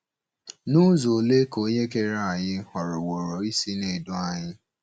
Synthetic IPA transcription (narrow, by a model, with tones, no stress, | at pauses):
nu˦zo˨le˦ko˦ɲe˦ke˦ɾa˨ɲɪ˦hɔ˨ɾʊ˨wo˨ɾo˨i˦si˦ne˨do˦a˨ɲɪ˦